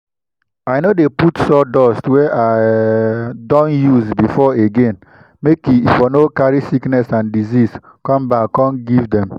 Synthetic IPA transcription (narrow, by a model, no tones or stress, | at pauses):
aɪnodeputsɔdɔstwɛʔa | dɔ̃njuzbifɔeɡẽn | mekiifonokaɾisiknɛsãndizis | kɔ̃mbakːɔ̃nɡivdɛ̃m